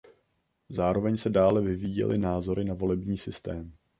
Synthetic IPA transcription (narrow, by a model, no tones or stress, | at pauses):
zaːɾo̞vɛɲsɛdaːlɛvɪviːjɛ̰lʔɪnaːzo̞ɾɪnavo̞lɛbɲiːsɪst̪ɛːm